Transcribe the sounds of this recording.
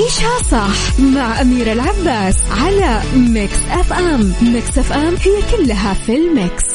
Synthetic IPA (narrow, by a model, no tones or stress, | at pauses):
ʔeːʃhasˤɑħmaʕʔamiːɾɪlʕabːaːsʕalamɪksʔafʔammɪksʔafʔamhɪjːakʊlːɦafɪlmɪks